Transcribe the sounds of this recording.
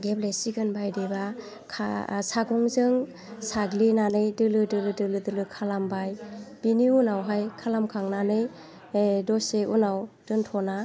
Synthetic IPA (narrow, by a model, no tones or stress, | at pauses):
ɡeblesiɡɯnbajdeba | kʰa̰saɡɔŋzɯŋ | saɡlinanɯjdɯlɯdɯlɯdɯlɯdɯlɯkʰalambajb̥iniunawɦajkʰalamkʰaŋnanɯj | dɔseunawd̥ɯntʰɔna